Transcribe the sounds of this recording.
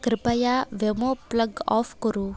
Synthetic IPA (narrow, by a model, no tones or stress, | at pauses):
kɾɪpajaʋemopləɡɔ̰fkɔɾu